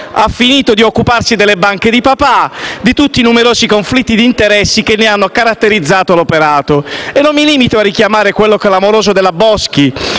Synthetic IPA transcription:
afːiniːt̪od̪iokːuparsid̪elːebaŋked̪ipapad̪it̪ut̪ːinumeɾoːzikoɱflit̪ːid̪iːnt̪eɾɛsːikenːeanːokaɾat̪ːeɾid̪zːaːt̪olopeɾaːt̪oenːomːiliːmit̪oarːikjamaːɾekwelːokɛlamoɾoːzod̪elːabɔski

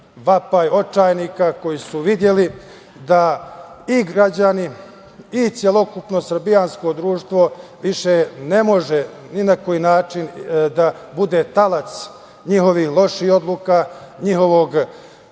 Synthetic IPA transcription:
ʋapaio̞t͡ʃaːjniːkako̞jisuʋid̪je̞li | d̪a | iɡɾad͡ʑaniː | t̪sjelo̞kupno̞sɾbijansko̞d̪ɾuːʃt̪ʋo̞ʋiʃene̞mo̞ʒe | ninako̞jiːnaːt͡ʃind̪abud̪e̞t̪alat̪s | ɲiho̞ʋihlˠo̞ʃiho̞d̪lˠuːkaɲiɦo̞ʋo̞ɡ

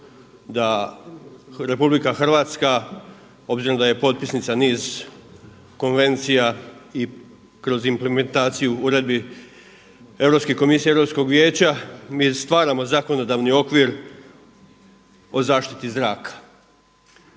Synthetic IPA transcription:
d̪a | ɾe̞publikaxr̩ʋaːt̪ska | o̞bziɾomd̪aje̞po̞t̪̚pisnit̪saniːz | ko̞nʋe̞nt̪sijai | kɾo̞zimpleme̞nt̪aːt̪sijuuɾe̞d̪̚bi | e̞vɾo̞pskeko̞misieeʋɾo̞psko̞ɡʋʲje̞ːt͡ɕamiːst̪ʋaːɾamo̞zako̞no̞d̪aʋnio̞kʋiɾ | o̞zaːʃt̪i̥t̪izɾaːkḁ

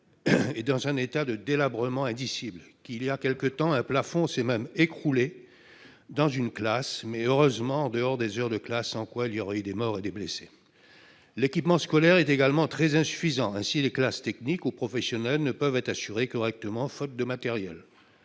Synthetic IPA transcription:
ed̪ɑ̃zɛ̃net̪ad̪əd̪elabʁəmɑ̃ɛ̃d̪isiblkʲilijakʲɛlkət̪ɑ̃ɛ̃plafɔ̃sɛmɛmekχule | d̪ɑ̃zynklasmɛøʁøzmɑ̃ːd̪əɔʁd̪ezœʁd̪əklasːɑ̃kwailijɔʁayd̪emɔʁed̪eblese̥ | lekʲipmɑ̃skɔlɛʁɛt̪eɡalmɑ̃t̪χɛzɛ̃sy̥fizɑ̃ɛ̃sileklast̪ɛknikupχɔfɛsjɔnɛlnəpœvɛt̪χasyʁekɔʁɛk̚t̪əmɑ̃fɔt̪̚d̪əmat̪ɛʁjɛ̰l

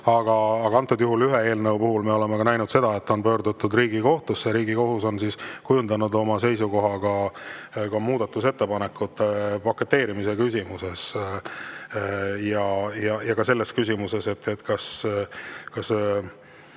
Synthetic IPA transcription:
ɑɡ̥ɑːɡ̥ɑɑnt̪ːˑud̪̥juɦulyɦee̞ːlnəwpuɦulmeo̞le̞mekɑnæjnud̪se̞d̪̥ɑe̞t̪ːo̞npø̞ːɾd̪ut̪ːud̪riːɡ̥iko̞ht̪usːeɾiːɡiko̞ɦuso̞nsiskujund̪ɑnud̪o̞mɑse̞jsuko̞ɦɑɡ̥ɑ | kɑmuːd̪̥ɑt̪ːˑuse̞t̪ːe̞pɑnekːˑut̪ːˑepɑkːˑe̞t̪ːe̞ːɾimise̞kysʲimuse̞s | jɑjɑjɑkɑse̞lːeskys̬ʲimuse̞se̞t̪ːet̪ːkɑs | kɑs

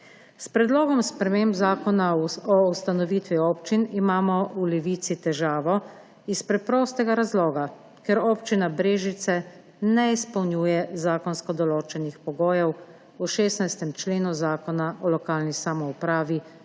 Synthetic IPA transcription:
spɾɛd̪loːɡɔmspɾɛmembzaːkɔnaɔust̪anɔʋit̪ʋioːpt͡ʃinimaːmɔulɛʋiːt̪sit̪ɛʒaːʋɔ | ispɾɛpɾoːst̪ɛɡaɾazloːɡa | kɛɾoːpt͡ʃinabɾeːʒit̪sɛ | nɛispɐwnʲjuːjɛzaːkɔnskɔd̪ɔloːt͡ʃɛnixpɔɡoːjɛw | uʃeːsnajst̪ɛmt͡ʃleːnuzaːkɔnaʔɔlɔkaːlnisamɔupɾaːʋi

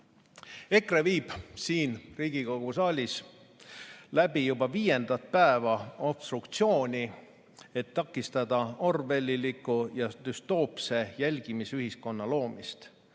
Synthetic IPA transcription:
e̞kreviːb̥siːnriːɡ̥iko̞ɡ̥usɑːlʲis | læb̥ijubɑviːje̞nd̪̥ɑt̪̚pæevɑo̞b̥st̪rukt̪sio̞ːnʲi | e̞t̪ːɑkːˑist̪ɑd̪̥ɑo̞rve̞lʲːilikːujɑd̪̥yst̪o̞ːpse̞jælʲɡ̥imisyɦisko̞nːɑlo̞ːmist̪

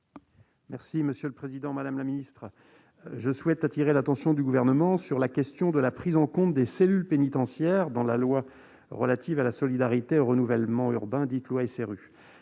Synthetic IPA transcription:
mɛʁsiməsjøləpχezid̪ɑ̃mad̪amlaminist̪χə | ʒəswɛt̪at̪iʁelat̪ɑ̃sjɔ̃d̪yɡuvɛʁnəmɑ̃syʁlakʲɛst̪jɔ̃d̪əlapχizɑ̃kɔ̃t̪d̪eselylpenit̪ɑ̃sjɛʁd̪ɑ̃lalwa | ʁə̰lat̪ivalasɔlid̪aʁit̪eoʁənuvɛlmɑ̃yʁbɛ̃d̪it̪lwaeseʁy

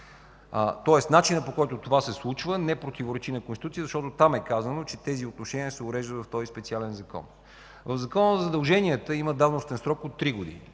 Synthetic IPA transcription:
ət̪ɔɛst̪nat͡ʃinəpokɔjt̪ot̪ovasɛslˠut͡ʃvənɛpɾot̪ivoɾɛt͡ʃinəkonsit̪ut̪iəzɐʃt̪ɔt̪ot̪amɛkazənot͡ʃɛt̪ɛziot̪noʃɛniəsɛʊɾɛʒd̪ət̪vɐft̪ɔzispɛt̪sialɛnzɐkɔ̰n | vəvzɐkɔnəzɐd̪əlˠʒɛniət̪əiməd̪avnost̪ɛnsɾɔkot̪ːɾiɡod̪ḭnḭ

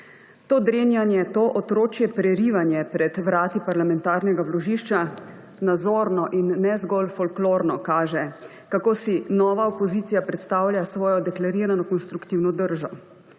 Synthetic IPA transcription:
t̪oːd̪ɾeːnjanjɛt̪oːʔɔt̪ɾoːt͡ʃjɛpɾɛɾiʋanjɛpɾɛd̪ʋɾaːt̪ipaɾlamɛnt̪aːɾnɛɡablɔʒiːʃt͡ʃa | nazɔɾnɔʔinːɛzɡɔlfɔlkloːɾnɔkaːʒɛ | kakoːsinɔːʋaopɔzit̪sijapɾɛt̪st̪aːwlʲjasʋɔːjɔd̪ɛklaɾiɾanɔkɔnst̪ɾukt̪iwnɔd̪əɾʒɔ

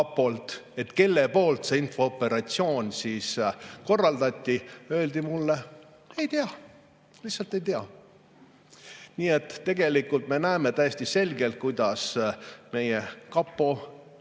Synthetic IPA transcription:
ɑpːo̞lt̪e̞t̪ke̞lːe̞po̞ːlt̪seːinfo̞opːe̞ɾɑt̪sio̞ːnʲsiːsko̞rːɑld̪̥ɑt̪ʲːiø̞ːld̪̥imulːe̞ | e̞jt̪eɑ | lihtsɑlt̪e̞jt̪eɑ | niːe̞t̪ːe̞ɡ̥e̞likult̪me̞næeme̞t̪æjesʲt̪ise̞lʲɡe̞lt̪̚kujd̪̥ɑsme̞jekɑpːo̞

